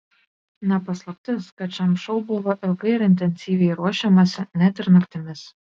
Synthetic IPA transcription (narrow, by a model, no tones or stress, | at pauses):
nʲɛpɐslˠɐp̚ʲt̪ʲɪskɐt̪t͡ʃʲɛmʃɔʊbʊʋoʔɪlˠɡɐɪɾɪnʲt̪ʲɛnʲsʲiːʋʲɛɪɾuɔʃʲɛmɐsʲɪnʲæt̪ɪɾnɐkt̪ʲɪmʲɪs